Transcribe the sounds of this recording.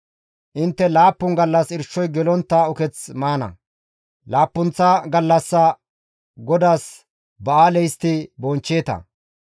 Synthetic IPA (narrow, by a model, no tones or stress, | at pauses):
ʔɪnt̪ːɛlaːpːʊŋɡɐlːɐsɪɾʃːɔjɡɛlɔnt̪ːɐɔkɛt͡smaːnɐ̰ | laːpːʊnt͡sːɐɡɐlːɐsːɐ | ɡɔd̪aːs | bɐaːlɛjst̪ɪbɔnt͡ʃːeːt̪ɐ̰